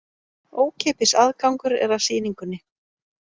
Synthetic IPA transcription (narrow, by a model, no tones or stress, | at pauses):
oːwcʰɛːpɪsaðkawŋkʏɾɛ̰ɾaðsiːniŋkʏnːɪ